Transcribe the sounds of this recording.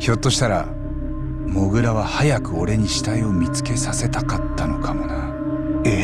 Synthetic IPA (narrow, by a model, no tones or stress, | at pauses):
çʲo̞t̪ːo̞ɕi̥t̪aɾa̰ | mo̞ɡɯ̟ɾaβahajakɯ̟o̞ɾe̞ɲ̟iɕi̥t̪aio̞mʲit͡sɨ̥ke̞sase̞t̪akat̪ːano̞kʰamo̞na | e